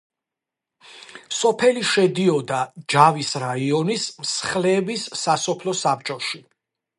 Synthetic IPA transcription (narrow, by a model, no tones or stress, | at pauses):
sɔpʰɛliʃɛd̪iɔd̪ad͡ʒavisɾaiɔnismsχlɛːbisːasɔpʰlɔsap̚t͡ʃʼɔʃi